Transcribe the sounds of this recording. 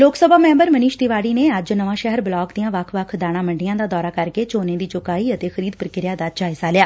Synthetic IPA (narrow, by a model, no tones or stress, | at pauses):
loːksəbaːmɛ̃ːmbəɾməniːʃt̪ɪʋaːɽiːneːəd͡ʒnəʋãːʃɛɦəɾbɪlɔːkd̪ijãːʋəkʰʋəkʰd̪aːɽ̃ãːməɳɖɪjãːd̪aːd̪ɔːɾaːkəɾkeːt͡ʃoːnẽːd̪iːt͡ʃʊkaːiːət̪eːxʰəɾiːd̪pəɾkɪɾjaːd̪aːd͡ʒaːɪsaːlɪjaː